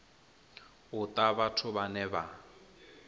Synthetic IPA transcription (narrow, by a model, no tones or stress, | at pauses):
ʊt̪ʼaβatʰʊβanɛba